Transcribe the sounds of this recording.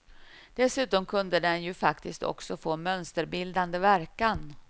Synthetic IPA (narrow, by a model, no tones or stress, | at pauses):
d̪̥ɛsʉ̟ːt̪ɔmkʰɵnd̪əd̪ɛnjɵfakt̪ɪskt̪ʰɔ̰ksɔfoːmœnst̪əɾbɪld̪and̪əvæɾkan